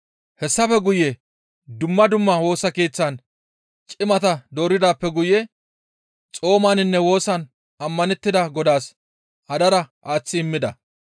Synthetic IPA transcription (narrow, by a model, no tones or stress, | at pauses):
hɛsːɐfɛɡʊjɛ | d̪ʊmːɐd̪ʊmːɐwo̞ːsɐke̞ːt͡sːɐn | t͡ʃʼɪmɐt̪ɐd̪o̞ːɾɪd̪aːpːɛɡʊjɛ | t͡sʼo̞ːmaːnɪnːɛwo̞ːsɐn | ɐmːɐnɛt̪ːɪd̪ɐɡɔd̪aːs | ʔɐd̪ɐɾɐʔaːt͡sːɪɪmːɪd̪ɐ